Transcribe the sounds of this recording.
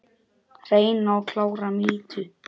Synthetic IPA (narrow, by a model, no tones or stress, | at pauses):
reːjnawkʰlaːwɾamiːt̪ʏ